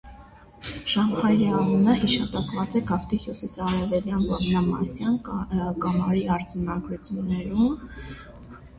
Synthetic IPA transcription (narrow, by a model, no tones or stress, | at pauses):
ʃɑmhɑjɾiɑnənəhiʃɑt̪ɑkvɑt͡sɛɡɑpʰt̪ihjusisɑɾɛvɛljɑnbɑmnɑmɑ̰sjɑnɡɑmɑɾiɑɾd͡zɑnɑɡɾut͡sʰjunːɛɾum